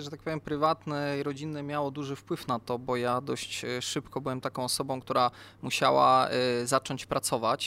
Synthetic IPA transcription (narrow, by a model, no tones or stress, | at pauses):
ʐɛt̪ak̚pɔvjɛmpɾɘvat̪nɛɾɔd͡ʑinɛmʲjawɔd̪uʐɘfpwɘfnat̪ɔbɔjad̪ɔɕt͡ɕʂɘpkɔbɘwɛmt̪akɔ̃w̃ɔsɔbɔ̃w̃k̚t̪uɾamuɕa̰wa̰zat͡ʂɔɲt͡ɕpɾat̪sɔvat͡ɕ